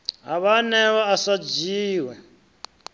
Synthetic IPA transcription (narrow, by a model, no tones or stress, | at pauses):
ɦaβanɛβaasad͡ʒiːwɛ